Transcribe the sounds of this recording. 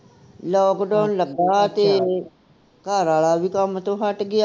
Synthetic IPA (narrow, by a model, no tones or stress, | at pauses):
lɔːkɖaːnləɡaːt̪eː | kaːɾaːɭaːʋiːkəmt̪õːɦəʈɡɪaː